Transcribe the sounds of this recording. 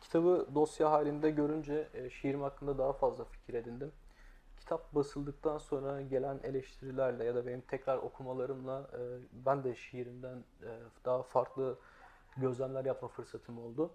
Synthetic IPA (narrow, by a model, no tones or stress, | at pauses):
cʰi̥t̪ʰabɯd̪o̞sjaɦaːlʲind̪ɛɟø̞ɾynd͡ʒɛʃejiɾimhakʰːɯnd̪ad̪aɦafazlˠafi̥cʰiɾe̞d̪ind̪im | cʰi̥t̪ʰap̚basɯlˠd̪ɯk̚t̪ʰanso̞nɾaɟe̞lʲæne̞lʲɛʃt̪ʰiɾilʲæɾlʲɛjad̪abe̞nimt̪ʰɛcɾaɾo̞kʰumalˠaɾɯmlˠaɯːbænd̪ɛʃejiɾimd̪ænːd̪aːafaɾklˠɯ | ɟø̞zlʲæmlʲæɾjapmafɯɾsat̪ʰɯmo̞lˠd̪ʊ